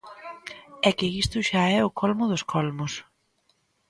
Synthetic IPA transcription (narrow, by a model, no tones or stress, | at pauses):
ɛkɪist̪ʊʃaɛʊkʰɔlmʊðʊskʰɔlmʊs